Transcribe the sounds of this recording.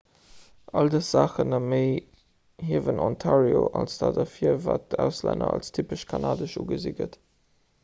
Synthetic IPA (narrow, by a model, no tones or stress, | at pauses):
ʔɑldəsz̥aːχənɑmeɪ | hiəvənʔɔntʰaːɹioʔɑlsd̥aːdɐfiːvaːt̚d̥əaʊslɛ̰nɐ̰ɑlstʰypəʃkʰanaːdəʃuːɡəziɡət